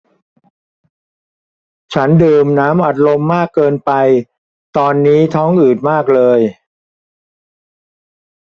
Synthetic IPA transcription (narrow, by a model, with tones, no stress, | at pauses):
t͡ɕʰa˦˥ndɤː˧mnaː˦˥mʔa˨˩t̪̚ɾo˧mːaː˥˩kːɤː˧npa˧j | t̪ɔː˧nːiː˦˥t̪ʰɔː˦˥ŋʔɯː˨˩t̪̚maː˥˩k̚lɤː˧j